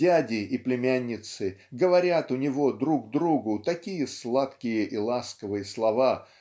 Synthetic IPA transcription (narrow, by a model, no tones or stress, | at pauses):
ædʲɪʔiplʲɪmʲænʲːɪt̪sɨɡəvɐɾʲat̪ʊnʲɪvo̞d̪ɾuɡ̚d̪ɾuɡʊt̪ɐkʲijəslˠat̪kʲɪjəʔilˠaskəvɨjəslˠɐva